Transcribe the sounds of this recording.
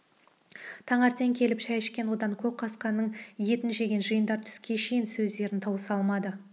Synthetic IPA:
t̪ʰɑɴɑɾt̪e̞ŋkʲʰe̞lɪpʃæjɪʃkʲe̞nwo̞d̪ɑŋkʲʰɵp̚qʰɑsqɑnːəɴje̞t̪ɪnʒe̞ɡʲe̞nʒəjənd̪ɑɾt̪ʰʏ̥skʲe̞ʃe̞jɪnsɵzd̪e̞ɾɪnt̪ʰɑwəsɑlˠmɑd̪ə

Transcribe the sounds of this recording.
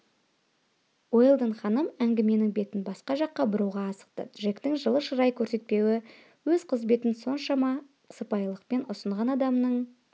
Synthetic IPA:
wo̞jlˠd̪əɴχɑnəmæŋɡʲɪme̞nɪŋbe̞t̪ɪnbɑsqɑʒɑqːɑbʊɾuwʁɑːsə̥q̚t̪ə̰ʒe̞kt̪ɪŋʒəlˠəʃəɾɑjkʲʰɵɾse̞t̪̚pe̞wɪ | wɵzqʰəzbe̞t̪ɪnso̞nʃɑmɑ | qʰə̥səpɑjlˠəqpe̞nʊsəɴʁɑnɑd̪ɑmnəɴ

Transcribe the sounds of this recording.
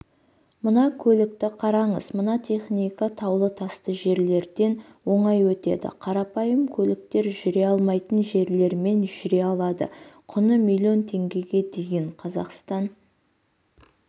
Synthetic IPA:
mənɑkʲʰɵlɪk̚t̪ɪqʰɑɾɑɴəzmənɑt̪ʰe̞χnijkat̪ʰɑwlˠət̪ʰɑst̪əʒe̞ɾle̞ɾd̪e̞nwo̞ɴɑjwɵt̪e̞̰d̪ɪ̰qʰɑɾɑpɑjəmkʲʰɵlɪk̚t̪e̞ɾʒʏɾe̞ɑlˠmɑjt̪ənʒe̞ɾle̞ɾme̞nʒʏɾe̞ɑlˠɑd̪ə̰qʰʊnəmilʲio̞nt̪ʰe̞ŋɡʲe̞ɡʲe̞d̪e̞ɡʲeɴqʰɑzɑ̰qst̪ɑn

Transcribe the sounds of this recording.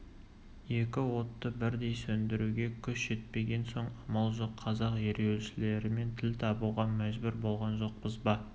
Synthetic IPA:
je̞kʲɪwo̞t̪ːəbɪɾd̪e̞jsɵnd̪ɪɾuɡʲe̞kʲʰʏʃʒ̥e̞t̪̚pe̞ɡʲe̞nso̞ɴɑmɑlˠʒoqʰːɑzɑqje̞ɾewlʃɪle̞ɾɪme̞nt̪ʰɪlt̪ʰɑbuʁɑmæʒbʏɾbo̞lˠʁɑnʒo̞q̚bəzbɑ

